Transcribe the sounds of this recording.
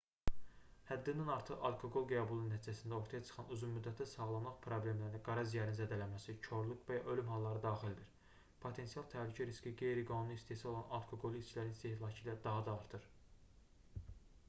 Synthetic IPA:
hæd̪ːind̪ænɑɾt̪ʰɯʁɑlˠkʰo̞ɡo̞lˠɡæbulˠunːæt̪ʰid͡ʒæsind̪æo̞ɾt̪ʰɑjɑt͡ʃʰɯ̥χɑnuzunmyd̪ːæt̪ʰːæsɑɣlˠɑmmɑχpʰɾo̞blʲe̞mlæɾinæɡɑɾɑzijɑɾinzæd̪ælæmæsit͡ʃʰo̞ɾlˠukvæjɑʔølymɦɑlˠːɑɾɯd̪ɑːχild̪iɾ | pʰo̞t̪ʰe̞nsijɑlˠt̪ʰæhlycʰæɾisciɡe̞jɾiɡɑnunuist̪esio̞lˠɑnɑlˠkʰo̞ɡo̞lˠist͡ʃʰilæɾinst̪eh̪ilˠɑcʰiːlæd̪ɑɦɑd̪ɑːɾt̪ʰɯɾ

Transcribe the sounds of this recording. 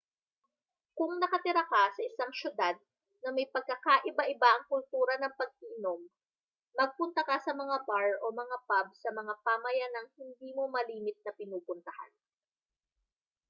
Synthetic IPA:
kʊŋnɐkɐt̪ɪɾakɐsɐʔɪsaŋʃʊd̪ad̪̚ | nɐmɐjpɐɡ̚kːɐkaʔɪbaʔɪbaʔɐŋkʊlt̪uːɾɐnɐŋpɐɡ̚ʔiːnomː | ɐɡ̚pʊnt̪ɐkɐsɐmɐŋabaɹʔo̞mɐŋapab̚sɐmɐŋapaːmɐjanɐŋhɪnd̪iːmo̞mɐliːmɪt̪̚nɐpɪnuːpʊnt̪ɐha̰n

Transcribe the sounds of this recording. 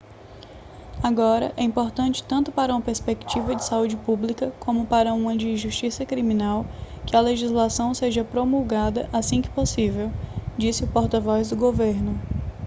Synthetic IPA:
aɡɔɾɐ̰ʔɛĩpoɾt̪ɐ̃t͡ʃɪ̥t̪ɐ̃nt̪ʊpaɾɐũmɐpeɾspekt͡ʃivɐd͡ʒɪsaud͡ʒɪpublikɐkõmʊpaɾɐũmɐ̃d͡ʒɪĩʒuʃt͡ʃisɐkɾimĩnaw | kɪɐleʒizlasɐ̃w̃seʒɐpɾomuwɡad̪ɐʔasĩkɪ̥posivewd͡ʒisɪʊpoɾt̪ɐvɔjzd̪ʊɡoveɾnʊ

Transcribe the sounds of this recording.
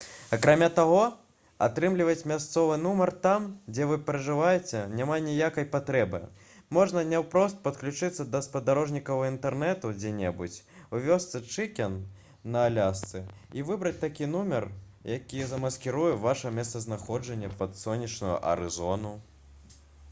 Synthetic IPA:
akɾamʲat̪aɣɔ | a̰t̪ɾɨmlʲivɐt͡sʲmʲast̪sɔvɨnumɐrt̪amd͡zʲɛvɨpʲɾɐʐɨvajɛt͡sʲɛnʲamanʲijakɐjpat̪ɾɛbɨ̰ | mɔʐnɐnʲɛwpɾɔst̪̚pɐt̪klʲut͡ʂɨt̪sːɐd̪ɐspɐd̪aɾɔʐnʲikɐwint̪ɛrnɛt̪ud͡zʲɛnʲɛbut͡sʲ | uvʲɔst̪sɨt͡ʂɨkʲɛnː | ɐːlʲast̪sɨivɨbɾɐt͡sʲt̪akʲinumʲɛr | jakʲijzɐmɐskʲiɾujɛvaʂɐmʲɛst̪sɐznaxɔd͡ʐɐnʲːɐpɐt̪sɔnʲːit͡ʂnujṵʔɐ̰ɾɨ̰zɔnu

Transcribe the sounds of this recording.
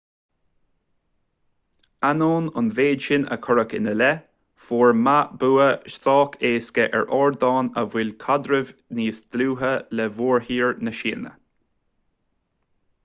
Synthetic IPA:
anoːnʊnveːdʃɪnə̰kʰʊɹəkɪ̰nəlɛ | foːɹmabuːəʃtɑːkʰeːskəʔɛ̰ɹʔɔːɹd̪ɑːnəvɪlkʰɔd̪ɾəvniːsd̪luːɦəlɛvoːɹhiːɹnəʃiːnə̰

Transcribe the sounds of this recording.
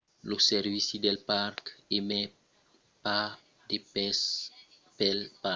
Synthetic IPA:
losɛɾvisid̪ɛlparkemɛ | pa | d̪epɛs | pɛlpa

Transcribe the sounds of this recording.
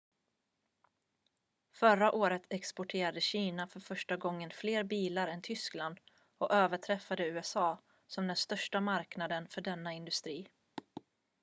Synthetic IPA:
fœɾaʔoːɾət̪ʰɛkspɔʈʰeːɾad̪əɕiːnafœɾfœʂʈaɡɔŋːənfleːɾbiːlaɾɛnt̪ʰʏskland̪ | ɔʔøːvəʈʰɾɛfːad̪əʉ̟ːɛsɑː | sɔmd̪ɛnst̪œʂʈamaɾknad̪ənfœɖɛnːaɪnd̪ɵst̪ɾiː

